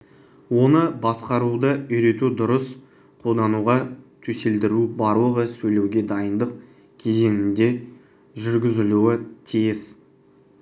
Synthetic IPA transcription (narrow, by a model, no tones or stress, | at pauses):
wo̞nəbɑsqɑɾud̪əʏjɾe̞t̪ud̪ʊɾəs | qʰo̞lˠd̪ɑnuʁɑt̪ʰɵse̞ld̪ɪɾubɑɾlˠəʁəsɵjle̞wɡʲe̞d̪ɑjənd̪əq̚ | kʲʰe̞ze̞nɪnd̪e̞ | ʒʏɾɡʲɪzɪluɪt̪ʰijɪz